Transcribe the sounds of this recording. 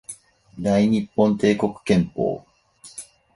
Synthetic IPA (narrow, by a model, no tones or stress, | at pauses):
d̪aiɲ̟ipːõ̞nt̪e̞ːko̞kɯ̟̥kẽ̞mpo̰ː